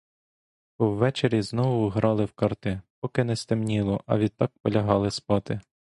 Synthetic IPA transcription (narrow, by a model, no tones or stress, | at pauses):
pɔwːɛt͡ʃeɾʲiznɔʋʊɦɾɑlˠɪwkɑrt̪ɪpɔkɪnɛst̪ɪmnʲilˠɔʔɐ̰ʋʲid̪̚t̪ɑk̚pɔlʲɐɦɑlˠɪspɑt̪ɪ